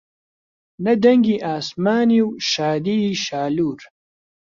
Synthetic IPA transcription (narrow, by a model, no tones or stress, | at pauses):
nɐd̪ɐŋɡiʔaːsmaːniwʃaːd̪iʃaːluːɾ